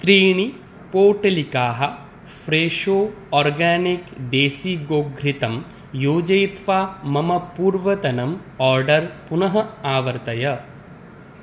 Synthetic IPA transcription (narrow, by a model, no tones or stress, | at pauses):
t̪ɾiːɳi | poːʈɐlikaːɦɐ | fɾeːʂoː | ɔːɾɡaːnikd̪eːsiːɡoːɡʱɾit̪ɐm | joːd͡ʒɐjt̪ʋaːmɐmɐpuːɾʋɐt̪ɐnɐm | ɔːɾɖɐɾpunɐɦɐaːʋɐɾt̪ɐjɐ